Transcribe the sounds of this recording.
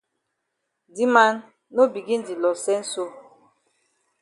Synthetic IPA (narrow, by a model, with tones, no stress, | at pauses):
di˦ma˦nː | o˦bi˨ɡi˦n̩˦di˨lɔ˨sɛ˦n̩˦so˦